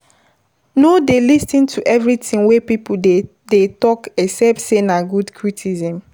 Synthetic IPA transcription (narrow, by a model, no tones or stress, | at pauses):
nodelistĩntʰuʔɛvɹitĩŋwepipu | detɔkɛsɛpsenaɡudkʰɹitʰizɛ̃m